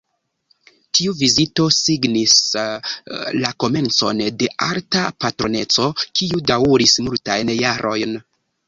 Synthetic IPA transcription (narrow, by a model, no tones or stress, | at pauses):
tiuvizito̞siɡnis | lako̞me̞nt͡so̞̰nde̞ʔa̰ɾtapatɾo̞ne̞t͡so̞kiudawɾismultajnjaɾʔo̞jn